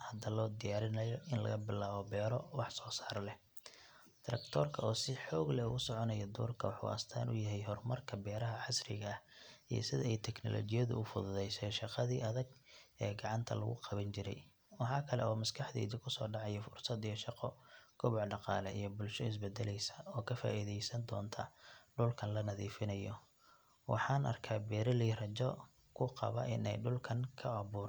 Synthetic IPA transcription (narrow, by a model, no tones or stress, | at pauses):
hɐd̪ɐlɔːd̪ɪjaːɾɪnɐjɔʔɪnlɐ̰ɣɐbɪlaːβɔbɛːɾɔwɑħsɔːsaːɾlɛ | t̪ʰɾɐ̰kt̪ʰɔːrkʰɐɔːsɪħɔːɡlɛʊɣʊsɔʕɔnɐjɔd̪ṵːrkʰɐwɑħṵːʔɐ̰st̪ʰa̰ːnʊjɐɦɛjɦɔrmɐrkʰɐbɛːɾɐɦɐʕɑsrɪɣɐːhḭjɐ̰sɪðɐɛjt̪ʰɛknɔ̰lɔ̰ːt͡ʃɪjɐðʊ̰ʊfʊðʊðɛjsɛʃɑqɑðiːɐðɐɡ̚ɛːɡɑʕɑnt̪ʰɐ̰lɐ̰ɣʊ̰qɑβɐnt͡ʃɪɾɛj | wɑħɑːkʰɐlɛ̰ɔːmɐskʰɑħd̪ḭːðɪkʰʊsɔ̰ːɖɑʕɑjɐfʊrsɐd̪ijɔʃɑqɔkʰʊβʊʕɖɑqɑːlɛʔijɔbʊlʃɔɪs̬bɛd̪ːɛlɛjsɐ̥ɔːkʰɐfa̰ːʔiːðɛjsɐnd̪ɔːnt̪ʰɐɖʊlkʰɐnlɐnɐðiːfɪnɐjɔ | wɑ̰ħɑːnʔɐ̰rkʰaːbɛːɾɐliːrɐt͡ʃɔ | kʰʊqɑ̰βɐ̰ʔɪnɛjɖʊlkʰɐŋkʰɐɑβuːɾ